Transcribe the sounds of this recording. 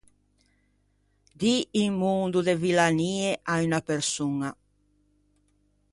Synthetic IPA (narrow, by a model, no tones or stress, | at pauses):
d̪iːŋmund̪ud̪evilaniːeʔaynapeɾsuŋa